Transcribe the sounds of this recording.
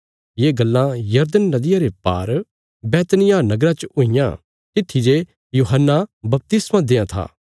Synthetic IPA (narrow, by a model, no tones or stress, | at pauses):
jeːɡɐlːãjɐɾd̪ənːɐd̪ɪjaɾepa̰ːɾ | bɛːt̪nɪjãnɐɡɾãt͡ʃəʊɪjã̰ | t̪ɪt̪ʰːid͡ʒe | juːɦənːabɐp̚t̪ɪsmãd̪eːãt̪ʰa̰ː